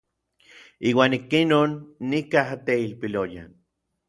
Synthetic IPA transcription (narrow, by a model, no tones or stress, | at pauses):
iːwaːnikinoːnːikaɦat̪eilpiloja̰n